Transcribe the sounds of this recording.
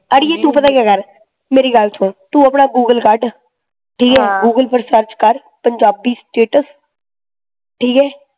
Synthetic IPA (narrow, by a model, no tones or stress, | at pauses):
əɾjeːt̪ũːpət̪aːkeːɡəɾ | meːɾiːɡəlt̪ʰõːt̪ũːəpnaːɡuːɡəlkaːɾɖ | ʈʰiːkɛːɡuːɡəlpəɾsəɾt͡ʃkəɾ | pəɲd͡ʒaːbiːsʈeːʈəs | ʈʰiːkɦɛː